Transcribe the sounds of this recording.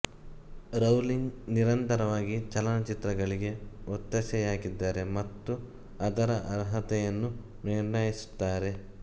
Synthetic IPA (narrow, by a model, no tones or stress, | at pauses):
ɾɐwliŋɡniɾɐnt̪ɐɾɐʋaːɡit͡ʃɐlɐnɐt͡ʃit̪ɾɐɡɐɭiɡe̞ot̪ːɐsɛjaːɡid̪ːaːɾe̞mɐt̪ːu | ɐd̪ɐɾɐʔɐɾɦɐt̪ɛjɐnːu | niɾnɐjisu̥t̪ːaːɾe̞